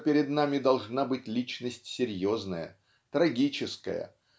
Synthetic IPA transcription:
pʲɪɾʲɪd̪namʲɪd̪ɐlˠʐnabɨtʲlʲit͡ɕnəsʲtʲsʲɪɾʲjoznəjə̰ | t̪ɾɐɡʲit͡ɕɪskə̰jə̰

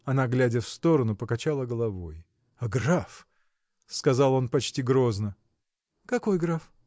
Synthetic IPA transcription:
ɐnaɡlʲædʲəfst̪o̞ɾənʊpəkɐt͡ɕalˠəɡəlˠɐvo̞j | ɐɡraf | skɐzɑlˠo̞npɐt͡ɕtʲiɡɾo̞znə | kɐko̞jɡɾaf

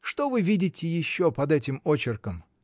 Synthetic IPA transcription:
ʂt̪o̞vɨvʲidʲɪtʲɪjɪɕːopɐd̪ɛtʲɪmot͡ɕɪrkəm

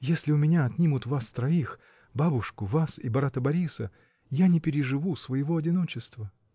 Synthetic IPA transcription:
jesʲlʲɪʊmʲɪnʲaɐt̪ʲnʲimʊt̪vast̪ɾɐix | babʊʂkʊvasibɐɾat̪əbɐɾʲisə | janʲɪpʲɪɾʲɪʐɨvusvəjɪvo̞ɐdʲɪno̞t͡ɕɪst̪və

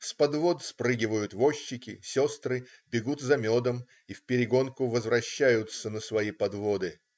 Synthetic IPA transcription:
spɐd̪vo̞t̪spɾɨɡʲɪvəjʊt̪vo̞ɕːɪkʲɪ̰sʲo̞st̪ɾɨbʲɪɡut̪zɐmʲo̞d̪əm | ifʲpʲɪɾʲɪɡo̞nkʊvəzvɾɐɕːæjʊt̪sənəsvɐjipɐd̪vo̞d̪ɨ

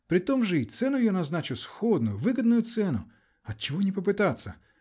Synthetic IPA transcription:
pɾɪt̪ɔmʒɛit̪sɛnʊjanɐznɑt͡ʃɪwsxɔd̪nʊjʊʋɪɡɐd̪̚nʊjʊt̪sɛnʊ̰ | ɐt̪̚t͡ʃɔɦɔnʲipɔp̬ɪt̪at̪sʲːɐ

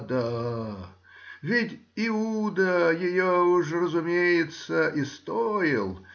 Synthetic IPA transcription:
d̪a | vʲɪtʲɪud̪əjɪjoʊʂrəzʊmʲejɪt̪səʔɪst̪ojɪlˠ

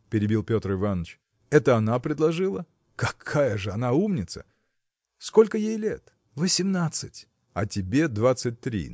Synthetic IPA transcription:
pʲɪɾʲɪbʲilˠpʲo̞t̪rɨvanət͡ɕ | ɛt̪əɐnapɾʲɪd̪lˠɐʐɨlˠə | kɐkʰajəʐɨɐnaumnʲɪt̪sə̰ | sko̞lʲkəjejlʲet̪ | vəsʲɪmnat̪sɨtʲ | ɐ̰tʲɪbʲe̞d̪vat̪sɨt̚ʲt̪ɾʲḭ

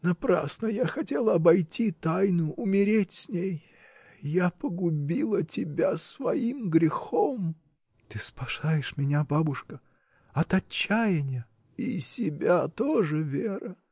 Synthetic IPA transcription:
nɐpɾa̰snəjaxɐtʲelˠəɐbɐjtʲit̪ajnʊʊmʲɪɾʲetʲsʲnʲej | japəɡʊbʲilˠətʲɪbʲasvɐimɡɾʲɪxom | t̪ɨspɐʂajɪʂmʲɪnʲababʊʂkə | ɐt̪ɐt͡ɕːæjɪnʲɪjə | isʲɪbʲat̪oʐɨvʲeɾə

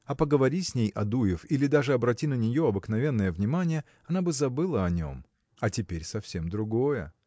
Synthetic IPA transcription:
ɐpəɡəvɐɾʲisʲnʲejʔɐd̪ujɪfilʲɪd̪aʐɨɐbɾɐtʲinənʲɪjo̞ɐbɨknɐvʲe̞nːəjəvnʲɪmanʲɪjə | ɐnabɨzɐbɨlˠəɐnʲo̞̰m | ɐtʲɪpʲeɾʲsɐfsʲemd̪ɾʊɡo̞jə̰

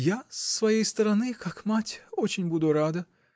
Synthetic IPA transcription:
jasvɐjejst̪ɐɾɐnɨkʰakmatʲot͡ɕɪnʲbud̪ʊɾad̪ɨ

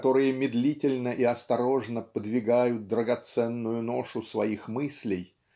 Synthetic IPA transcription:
t̪o̞ɾɨjəmʲɪd̪lʲitʲɪlʲnəʔiɐst̪ɐɾo̞ʐnəpəd̪vʲɪɡajʊt̪̚d̪ɾəɡɐt̪sɛnːʊjʊno̞ʂʊsvɐixmɨsʲlʲɪj

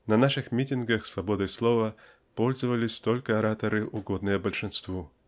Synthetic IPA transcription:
nɐnaʂɨxmʲitʲɪnɡəxsvɐbɔd̪ɨjslˠɔvɐ | pɔlʲzəvəlʲɪsʲt̪ɔlʲkəɐɾat̪ɐɾɨʔʊɡɔd̪nɨjəbəlʲʂɨnst̪vu

